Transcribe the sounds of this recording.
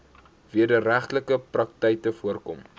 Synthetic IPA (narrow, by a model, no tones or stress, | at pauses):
viərdəɾæχtləkəprɐk̚tɛjtəfuərkɔm